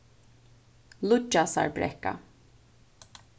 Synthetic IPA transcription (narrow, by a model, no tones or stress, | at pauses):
lʊd͡ʒasa̰ɹbɾɛ̰ka̰